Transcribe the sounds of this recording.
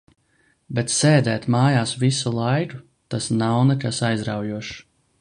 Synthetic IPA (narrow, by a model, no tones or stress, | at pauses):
bɛt̪seːd̪ɛːt̪maːjaːsvisulˠajku | t̪asnawnɛkasajzɾawjuɔʃ